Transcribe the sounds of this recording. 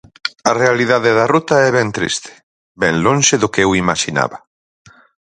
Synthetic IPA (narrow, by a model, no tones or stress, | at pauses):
ɐrealiðaðeðɐrut̪ɐɛβɛnt̪ɾḭst̪ɪ̥ | bɛnlõnʃɪðʊkɛwimaʃina̰βɐ